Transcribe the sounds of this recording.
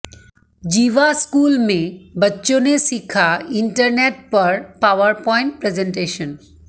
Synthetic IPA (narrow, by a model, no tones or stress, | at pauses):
d͡ʑiʋaskuːlmẽbətːʃonesikʰaiɳʈəɾneʈ̚pəɾpaʋəɾpɔɪ̃ɳʈ̚pɾezẽɳʈeːʃən